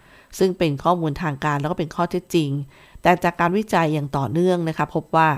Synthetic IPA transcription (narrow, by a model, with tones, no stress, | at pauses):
sɯ˥˩ŋpe˧nkʰɔː˥˩muː˧nt̪ʰaː˧ŋkaː˧nlɛː˦˥kɔ˥˩pe˧nkʰɔː˥˩t̪ʰe˦˥t̪̚t͡ɕi˧ŋ | t̪ɛː˨˩t͡ɕaː˨˩kːaː˧nwi˦˥t͡ɕa˧jːaː˨˩ŋt̪ɔː˨˩nɯ˥˩əŋna˦˥kʰɾa˦˥pʰːo˦˥p̚waː˥˩